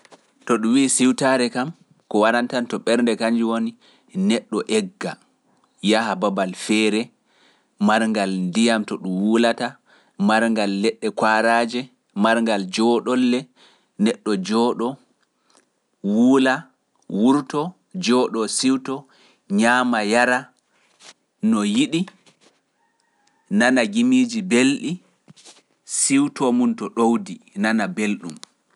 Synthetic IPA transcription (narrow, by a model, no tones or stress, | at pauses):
tɔɗumwisiwtaɾɛkam | kɔwaɾantantɔɓɛɾndɛkaɲd͡ʒiwoni | nɛɗːɔʔɛɡːa | jahababalfɛɾɛ | maɾŋɡalndijamtɔɗumwulata | maɾŋɡalːɛɗːɛkwaɾaːd͡ʒɛ | maɾŋɡald͡ʒɔɗɔlːɛ | nɛɗːɔd͡ʒɔːɗɔ | wuːla | wuɾtɔ | d͡ʒɔɗɔsiwtɔ | ɲaːmajaɾa | nɔjiɗi | nanaɡimiːd͡ʒibelɗi | siwtɔmuntɔɗowdinanabelɗum